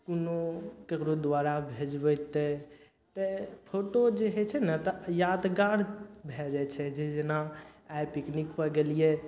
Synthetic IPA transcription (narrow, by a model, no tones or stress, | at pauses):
kunokekɾod̪ʋaɾabʱed͡ʒbɛt̪ɛ | t̪əpʰoʈod͡ʒeɦɛt͡ʃʰɛnət̪əjad̪ɡaɽbʱɛd͡ʒat͡ʃʰɛd͡ʒed͡ʒenaajpiknikpəɡelie